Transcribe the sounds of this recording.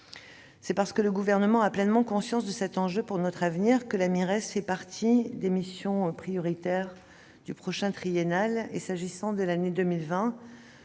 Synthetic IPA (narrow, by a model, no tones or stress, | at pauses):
sɛpaʁsə̥kələɡuvɛʁnəmɑ̃aplɛnmɑ̃kɔ̃sjɑ̃sd̪əsɛt̪ɑ̃ʒøpuʁnɔt̪χavniʁkəlamiʁɛsfɛpaʁt̪ʰid̪emisjɔ̃pχijɔʁit̪ɛʁ | d̪ypχɔʃɛ̃t̪χijenalesaʒisɑ̃d̪əlaned̪əmilvɛ̃